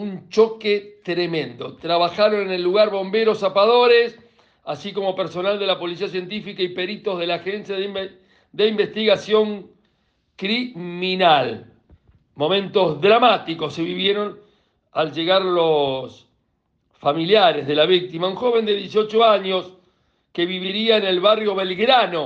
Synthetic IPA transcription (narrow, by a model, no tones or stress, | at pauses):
unt͡ʃoket̪ɾemẽ̞nd̪o̞t̪ɾaβaxaɾonenelːuɣaɾβo̞mbeɾo̞sapaðo̞ɾes | asiko̞mo̞pe̞ɾso̞nald̪e̞lapo̞lis̬ias̬je̞nt̪ifikaipe̞ɾit̪o̞zð̞e̞laːxensjað | d̪e̞imbe̞st̪iɣasjo̞ŋ | kɾiminal | mo̞mẽ̞nt̪o̞zðɾamat̪iko̞sːe̞βiβjeɾo̞n | alʒe̞ɣaɾlos | familjaɾezðe̞laβik̚t̪imauŋxo̞β̞e̞nd̪eðjesio̞t͡ʃoaɲo̞s | keβiβiɾiaene̞lβarjo̞βe̞lɣɾano̞